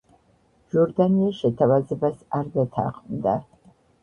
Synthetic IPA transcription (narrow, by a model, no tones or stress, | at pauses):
ʒɔɾd̪anijaʃɛt̪ʰavazɛbasaɾd̪at̪ʰa̰qʼmd̪a